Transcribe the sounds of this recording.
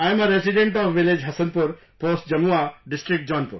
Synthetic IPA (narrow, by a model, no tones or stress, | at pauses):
ajməɾesiɖẽɳʈɔʋʋiled͡ʒɦɐsənpuɾ | posʈd͡ʒɐmuaɖisʈɾik̚ʈ̚d͡ʒɔnpṵɾ